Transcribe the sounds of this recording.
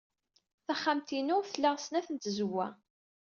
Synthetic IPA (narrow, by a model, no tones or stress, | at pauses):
θæχːamt̪inʊʁθəlːæʁsnæθənt̪zəwːæ̰